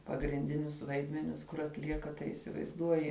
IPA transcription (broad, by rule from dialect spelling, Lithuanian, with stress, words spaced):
pɐɡrʲɪnʲˈdʲɪnʲʊs ˈʋɐɪdʲmʲɛnʲɪs kʊr ɐtʲˈlʲiɛkɐ tɐɪ iːsʲɪʋɐɪzˈduɔjɪ